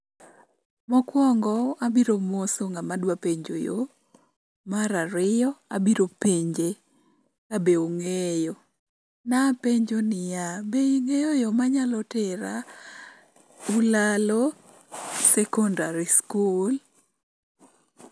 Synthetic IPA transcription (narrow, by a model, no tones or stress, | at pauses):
mɔkwɔŋɡɔabiɾomosoŋamadwapeɲd͡ʒo̰jo̰ | maɾaɾɪjɔabiɾopeɲd͡ʒe | kabeoŋejo | napeɲd͡ʒonɪjabeiŋejojomaɲalɔteɾa | ulalo | sɛkɔndaɾiskul